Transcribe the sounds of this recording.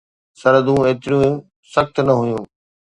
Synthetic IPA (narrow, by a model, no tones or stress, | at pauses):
sɐɾəd̪ũeːt̪ɪɾiũː | sɐxt̪nɐɦʊjũː